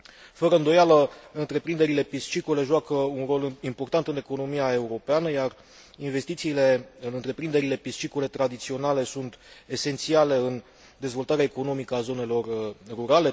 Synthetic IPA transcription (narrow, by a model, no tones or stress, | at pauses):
fəɾəɨnd̪o̞jaləɨnt̪ɾe̞pɾind̪e̞ɾile̞pist͡ʃikole̞ʒuakəunro̞limpo̞rt̪ant̪ɨne̞ko̞no̞miae̞uɾo̞peanəjar | inve̞st̪it̪siːle̞ɨnɨnt̪ɾe̞pɾind̪e̞ɾile̞pist͡ʃikole̞t̪ɾad̪it̪sio̞nale̞sunt̪e̞se̞nt̪siale̞ɨn | d̪e̞zvo̞lt̪aɾeaeko̞no̞mikəazo̞ne̞lo̞rːuɾale̞